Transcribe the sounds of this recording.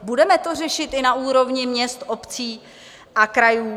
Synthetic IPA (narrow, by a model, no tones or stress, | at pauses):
budɛmɛt̪or̝ɛʃɪt̪ɪnaʔuːɾo̞vɲɪmɲɛst̪ʔopt͡siː | ʔakɾajuː